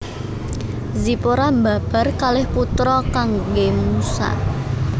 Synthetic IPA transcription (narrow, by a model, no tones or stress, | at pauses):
zipoɾambab̥a̤rkalɪhput̪ɾɔkaŋɡemusa̰